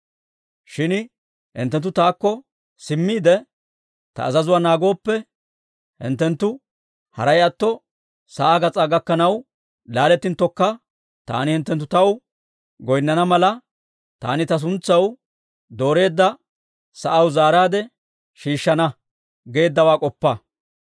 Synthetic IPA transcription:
ʃɪn | hɪ̰nt̪ːɛnt̪ːʊt̪aːkːɔ | sɪmːiːd̪ɛ | t̪ɐ̰ːzɐzʊwaːnaːɡo̞ːpːɛ | hɪ̰nt̪ːɛnt̪ːʊ | hɐ̰ɾɐjɐt̪ːɔ | sɐʔaːɡɐt͡sʼaːɡɐkːɐnɐw | laːlɛt̪ːɪnt̪ːɔkːɐ | t̪a̰ːnɪhɪnt̪ːɛnt̪ːʊt̪ɐw | ɡɔjnːɐnɐmɐlɐ | t̪a̰ːnɪt̪ɐs̬ʊnt͡sːɐw | d̪o̞ːɾe̞ːd̪ːɐ | sɐʔɐwzaːɾaːd̪ɛ | ʃiːʃːɐnɐ | ɡe̞ːd̪ːɐwaːkʼɔpːɐ

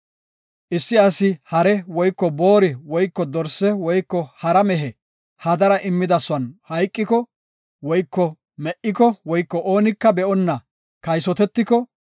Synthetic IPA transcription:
ʔɪsːɪɐsɪhɐɾɛwɔjkːɔbo̞ːɾɪwɔjkːɔd̪ɔɾsɛwɔjkːɔhɐɾɐmɛɦɛ | hɐd̪ɐɾɐʔɪmːɪd̪ɐsʊwɐnhɐjkʼːɪkɔ | wɔjkːɔ | mɛʔɪkɔwɔjkːɔʔoːnɪkːɐbɛʔɔnːɐ | kɐjsɔt̪ɛt̪ːɪkɔ

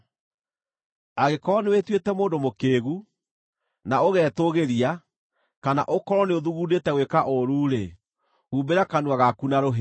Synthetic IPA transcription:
aɣekɔnewetwetɛmoːndomokeːɣu | naoɣɛːtoɣeɾia | kana̰ʔokɔɾɔneoðuɣuːdetɛwekaʔoɾuːɾe | huːbeɾakanuaɣakunaɾoɦe

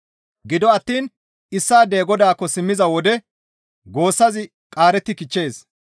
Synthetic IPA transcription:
ɡɪd̪ɔɐt̪ːiːn | ɪsːaːd̪eːɡɔd̪aːkːɔsɪmːɪzɐwɔd̪ɛ | ɡo̞ːsːɐzɪ | kʼaːɾɛt̪ːɪkɪt͡ʃːe̞ːs

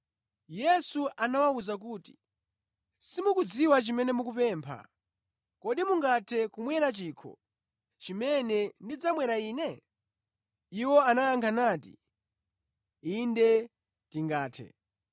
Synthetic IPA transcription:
jɛsuʔanawauzak̬uːti̥ | simukud͡ziwat͡ʃimɛnɛmuk̬upɛːmpʰa̰ | kɔɗimuŋɡatʰɛkumwɛɾat͡ʃiːkʰɔ̰ | t͡ʃimɛnɛndid͡zamwɛɾaiːnɛ | iwɔanajaŋkʰanaːtḭ | indɛ | tiŋɡaːtʰɛ̰

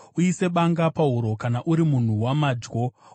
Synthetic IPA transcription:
uise̞ɓaŋɡapauɾo̞kanaʔuɾimun̤uwamaːd͡ʒɡo̞

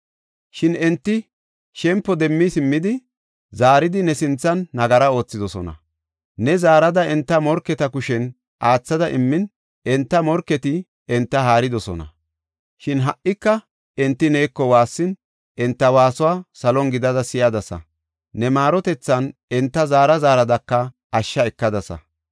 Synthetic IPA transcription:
ʃɪnɛnt̪ːɪ | ʃɛmpːɔd̪ɛmːisɪmːɪd̪ɪ | zaːɾɪd̪ɪnɛsɪnt͡sːɐnːɐɡɐɾɐo̞ːt͡sːɪd̪ɔsɔ̰nɐ̰ | nɛzaːɾɐd̪ɐɛnt̪ːɐmɔɾkːɛt̪ɐkʊʃɛn | ʔaːt͡sːɐd̪ɐʔɪmːɪn | ɛnt̪ːɐmɔɾkːɛt̪ɪ | ɛnt̪ːɐɦaːɾɪd̪ɔsɔnɐ̰ | ʃɪnɦɐʔːɪkːɐ | ɛnt̪ːɪneːkːɔwaːsːɪn | ɛnt̪ːɐwaːsʊwaːsɐlɔŋɡɪd̪ɐd̪ɐsɪjɐd̪ɐsɐ̰ | nɛmaːɾɔt̪ɛt͡sːɐnɛnt̪ːɐzaːɾɐzaːɾɐd̪ɐkːɐ | ɐʃːɐɛkːɐd̪ɐsɐ̰

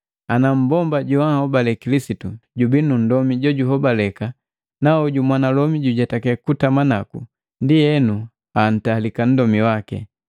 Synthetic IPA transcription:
anam̩bɔmbaɟɔahɔbalɛkilisituɟubinun̩dɔmiɟɔɟuɦɔbalɛka | naɔɟumwanalɔmiɟuɟatakɛkutamanakṵ | ndijɛnu | an̩taːlikan̩dɔmiwakɛ̰

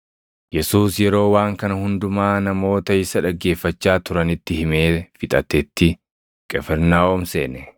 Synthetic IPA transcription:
jɛsuːsjɛɾo̞ːwaːŋkɐnɐhʊnd̪ʊmaːnɐmo̞ːt̪ɐɪsɐᶑɐɡːe̞ːfːɐt͡ʃːaːt̪ʊɾɐnɪt̪ːɪhɪmeːfɪt̪ʼɐt̪ɛt̪ːɪ | kʼɛfɛɾnaːɔmsḛːnɛ

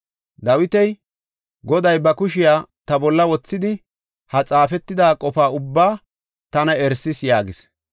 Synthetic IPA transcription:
d̪ɐwɪt̪ɛj | ɡɔd̪ɐjbɐkʊʃɪjaːt̪ɐbɔlːɐwɔt͡sːɪd̪ɪ | hɐt͡sʼaːfɛt̪ːɪd̪aːkʼɔfaːʊbːaː | t̪ɐnɐɛɾsɪsjaːɡɪs

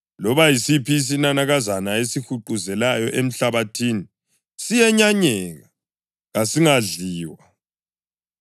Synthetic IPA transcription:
lɔβajisipʰis̬inanaɣazanaesixuǃuzɛlajɔʔem̩ɬaβatʰiːni | sijɛɲaɲɛɣa | ɣasiŋaɮiːwa

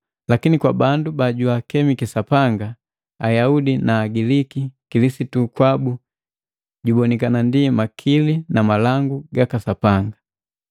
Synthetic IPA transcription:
lakinikwabandubaɟuakɛmikisapaŋɡa | ajaudinaːɡilikikilisitukwabu | ɟubɔnikanandimakʰilinamalaŋɡuɡakasapaŋɡa

